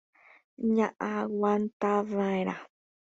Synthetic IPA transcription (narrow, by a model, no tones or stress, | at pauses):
ɲãʔawʷant̪aðãẽɾa̰